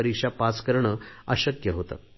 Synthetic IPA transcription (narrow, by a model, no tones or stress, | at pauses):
əɾikʂapaskəɾɳəəɕəkjəɦot̪a̰